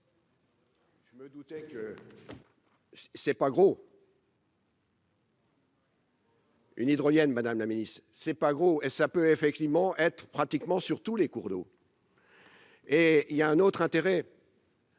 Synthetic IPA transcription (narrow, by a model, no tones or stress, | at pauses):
ʒ̥əməd̪ut̪ɛkə | ssɛpaɡʁo | y̰nid̪ʁɔjɛnmad̪amlaminist̪χsɛpaɡʁoesapøefɛk̚t̪ivmɑ̃ʔɛt̪χəpχat̪ikmɑ̃syʁt̪ulekuʁd̪o̰ | eiljaɛ̃not̪χɛ̃t̪eʁɛ